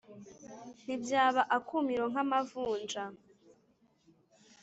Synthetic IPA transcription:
n̥ibjaːβaʔakʰumiɾoŋ̥amavuːnd͡ʒa

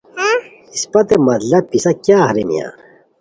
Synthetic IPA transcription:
ispɐt̪emɐt̪lɐb̚pisɐkaːhɾimḭja̰ːn

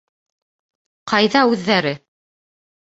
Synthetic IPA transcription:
qɑjðɑʉðːæɾɘ

